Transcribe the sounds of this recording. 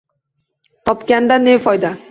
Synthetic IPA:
t̪ɔpkʲand̪anefɔjd̪a

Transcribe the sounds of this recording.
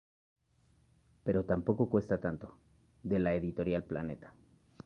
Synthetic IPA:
pe̞ɾo̞t̪ampo̞ko̞kwe̞st̪at̪ant̪o̞ | ðe̞laeðit̪o̞ɾjalpla̰ne̞t̪ḁ

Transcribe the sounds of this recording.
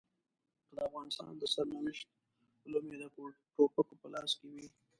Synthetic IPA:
d̪əafɣɑnɪst̪ɑ̰nd̪əsaɾmanɪʃt̪̚ | lomed̪ə | ʈopəkopəlɑskewi

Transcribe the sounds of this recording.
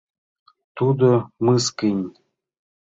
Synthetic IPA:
t̪ud̪omɨskinʲ

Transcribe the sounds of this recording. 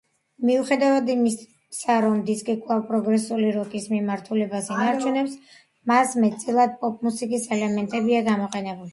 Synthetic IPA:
miuχɛd̪avad̪imi | saɾɔmd̪iskʼikʼʰvlˠavpʼɾɔɡɾɛsuliɾɔk̪ʼismimaɾt̪ʰulɛbasinaɾt͡ʃʰunɛps | masmɛt̪ʼsʼilˠad̪̚pʼɔpʼmusikʼisɛlɛmɛnt̪ʼɛbiaɡamɔqʼɛnɛbuli

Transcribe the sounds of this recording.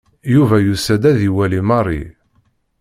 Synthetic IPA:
juvæjusæd̪æðiwælimɑrˤḭ

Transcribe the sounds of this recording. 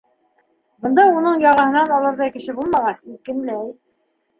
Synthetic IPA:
bɤ̆nd̪ɑunɤɴjɑʁɑ̆hɤ̆nɑnɑlˠɤɾðɑjkɘ̆ʃɘbulˠmɑʁɑsikɘ̆nlæj

